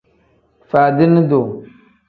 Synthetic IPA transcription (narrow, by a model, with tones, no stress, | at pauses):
fa˨dɪ˦nːɨ˦do˨